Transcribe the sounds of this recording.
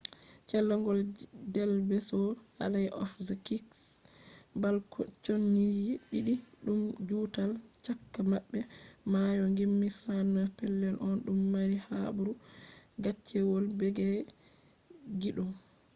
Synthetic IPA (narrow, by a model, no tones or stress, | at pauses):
t͡ʃɛlːɔŋɡɔldɛlbɛsɔha̰lajʔɔ̰fzkiks | balkʰɔt͡ʃonːijɛɗiɗiɗumd͡ʒutalt͡ʃakːamaɓːɛmajɔŋɡimːisanːɔpɛlːɛnʔɔnɗumːaɾihabuɾuɡat͡ʃːɛwɔlbɛɡɛ | ɡiɗɔ